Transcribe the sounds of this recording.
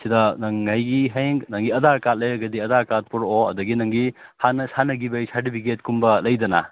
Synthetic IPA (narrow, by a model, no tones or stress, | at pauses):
sidɐnɐŋɐjɡiɦeŋɡnɐŋɡiɐdaɾkat̚lɐjɾɐɡɐdiɐdaɾkat̚puɾoɐ̰dɐɡinɐŋɡihanːɐsanɐɡibɐjsaɾt̬ipʰik̬etkumbɐlɐjdɐna̰